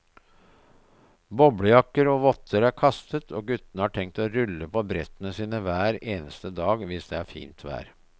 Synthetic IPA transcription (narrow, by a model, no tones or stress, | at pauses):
bɔbɽəjɑkːəɾoːʋɔt̪ʰːəɾæɾkʰɑst̪ət̪ʰoːɡʉt̪ːənəhɑːʈʰɛŋk̚t̪oːɾʉlːəpʰɔbɾɛt̪ːənəsiːnəʋæːɾeːnəst̪əd̪ɑːɡʋɪsd̪ɛæɾfḭːnt̪ʰʋæ̰ːɾ